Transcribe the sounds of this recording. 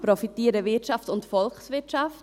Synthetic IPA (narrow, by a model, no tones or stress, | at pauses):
pɾɔfitiːəɾəvɪtt͡ʃaftʊntfɔlχsvɪɐtʃaft